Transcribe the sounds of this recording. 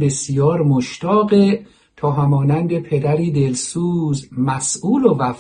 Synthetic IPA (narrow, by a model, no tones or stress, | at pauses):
besijɒːɾmoʃt̪ʰɒːɣe | t̪ʰɒːɦæmɒːnænd̪e̞pʰe̞d̪æɾiːd̪e̞lsuːzmæsuːlovæf